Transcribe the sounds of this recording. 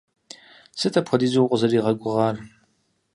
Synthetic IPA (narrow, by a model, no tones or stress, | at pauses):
sɨtʰɐpxʰʷɔdiːzuwqʷʼʊzɐriːʁɐɡʷʼʊʁɑːr